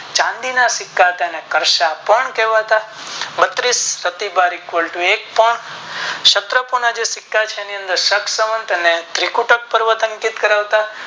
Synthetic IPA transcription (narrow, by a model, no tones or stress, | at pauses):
t͡ʃãnd̪inasɪkːat̪enekəɾʃapəɳkɛʋaɦt̪a | bət̪ɾisɾət̪ibaɾikʋəlʈuek̚pəɳʃət̪ɾəpuɳad͡ʒesɪkːat͡ʃʰeːniə̃nd̪əɾʃəkʰsəmənt̪enet̪ɾikuʈək̚pəɾʋət̪ə̃ŋkid̪kəɾaʋt̪a